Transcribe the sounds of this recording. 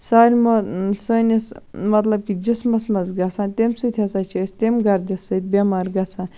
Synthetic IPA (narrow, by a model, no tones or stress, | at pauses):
saːɾʲmosənismɐt̪lɐb̚kid͡ʒismɐsmɐzɡɐsaːnt̪emsɨt̪ʲʰɐsat͡ʃʰɐsʲt̪emɡɐɾd̪ʲisːɨt̪̚bʲemaːɾɡɐsʰaːn